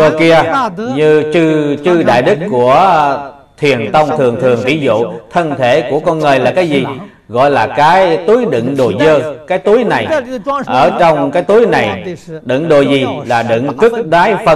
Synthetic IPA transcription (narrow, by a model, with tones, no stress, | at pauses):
ə˧ki˧əɲɨ˧t͡ɕɨ˧t͡ɕɨ˧ɗa̰ː˧˨jɗɨ˦˥kkːu˧˩ə | t̪ʰwi˨˩ənt̪ə˧wŋ͡mt̪ʰɨ˨˩əŋt̪ʰɨ˨˩əŋt̪ʰi˧˥zṵ˧˨t̪ʰə˧nt̪ʰe˧˩ku˧˩əkɔ˧nŋəː˨˩jlaː˨˩kaː˨˦jzi˨˩ | ɣɔ̰˧˨jlaː˨˩kaː˨˦jt̪u˨˦əjɗɨ̰˧˨ŋɗo˨˩zəː˧kaː˨˦jt̪u˨˦əjna˨˩jʔəː˧˩t͡ɕɔ˧wŋ͡mkaː˨˦jt̪u˨˦əjna˨˩jɗɨ̰˧˨ŋɗo˨˩zi˨˩laː˨˩ɗɨ̰˧˨ŋkɨ˦˥k̚ɗaː˨˦jfə˧